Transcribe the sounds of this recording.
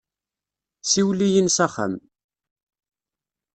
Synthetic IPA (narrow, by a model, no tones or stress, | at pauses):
siwlijənsæχə̰m